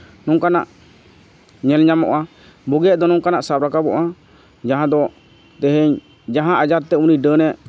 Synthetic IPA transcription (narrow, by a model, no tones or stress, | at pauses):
nɔŋkana̰ʔ | ɲɛlɲamɔ̰ʔa | bɔɡɛʔd̪ɔnɔŋkanaʔsap̚ɾakabɔ̰ʔa | d͡ʒaɦãd̪ɔ | t̪ɛɦɛɲ | d͡ʒaɦãʔad͡ʒaɾt̪ɛuniɖənɛʔ